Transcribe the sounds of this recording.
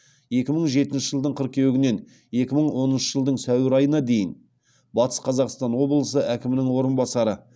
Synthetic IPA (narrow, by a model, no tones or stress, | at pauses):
je̞kʲɪməɴʒe̞t̪ɪnʃɪʒəlˠd̪əɴqʰəɾq̚kʲʰe̞wɪɡʲɪne̞n | e̞kʲɪməɴwo̞nənʃəʒəlˠd̪əɴsæwɪɾɑjənɑd̪e̞jɪn | bɑt̪ə̥sqʰɑzɑqst̪ɑnwo̞blˠəsəʔækʲɪmɪnɪŋwo̞ɾənbɑsɑɾə